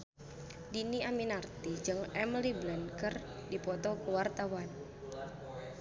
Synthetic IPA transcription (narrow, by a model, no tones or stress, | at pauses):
diniaminart̪id͡ʒɨŋɛmliblɛnkərdipɔt̪ɔkəwart̪awan